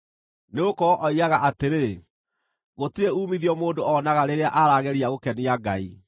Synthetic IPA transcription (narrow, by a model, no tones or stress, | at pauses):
neokɔɔʔɔiɣaɣaʔateɾe | ɣotiɾeuːmiðiɔmoːndoɔnaɣaɾeɾeaʔaɾaːɣɛɾiaɣokɛniaɡa̰ḭ